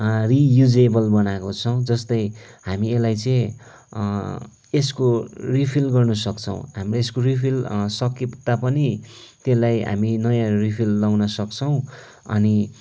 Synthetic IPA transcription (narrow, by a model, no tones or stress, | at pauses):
rijud͡zebʌlbʌnakot͡sʰʌw̃d͡zʌst̪ʌjhamielajt͡sʌĩ | eskoripʰilɡʌrnʌsʌkt͡sʰʌw̃ɦamraeskoripʰilsʌket̪ːapʌnit̪elajɦa̰minʌjãripʰilːawnʌsʌkt͡sʰʌw̃ | ʌ̰ni